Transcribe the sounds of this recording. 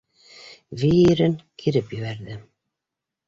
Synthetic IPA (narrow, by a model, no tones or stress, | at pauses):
vʲiiɾɘŋkʰiɾɘpjɘ̆βæɾðɘ